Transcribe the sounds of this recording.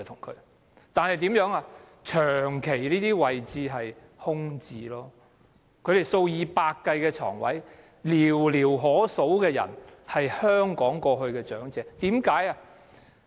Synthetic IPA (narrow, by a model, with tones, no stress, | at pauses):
t̪ʰʊ˨˩ŋkʰɵ̰˨˧ɥ | t̪aː˨nhɐ˨jt̪iː˨˥mjœː˨˥ŋaː˧ | t͡ʃʰœː˨˩ŋkʰe˨˩jliː˥t̪iː˥wɐ˨jt͡siː˧ɦɐ˨j | hʊ˥ŋt͡siː˧lɔː˥ | kʰɵ˨˧ɥɾe˨jso˧wjiː˨˧paː˧kːɐ˧jkɛː˧t͡ʃʰɔ̰ː˨˩ŋwɐ̰˨˥j | liː˨˩wliː˨˩wɦɔː˨˥so˨˥wkɛː˧jɐ̰˨˩nhɐ˨jhœː˥ŋkɔː˨˥ŋkɔː˧ɦɵ˧ɥkɛː˧t͡ʃœː˨˥ŋt͡sɛː˨˧t̪iː˨˥mkaː˨˥jaː˧